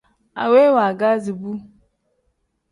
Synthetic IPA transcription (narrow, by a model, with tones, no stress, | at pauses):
a̰˨we˦wa˨ɡa˦zi˨bu˦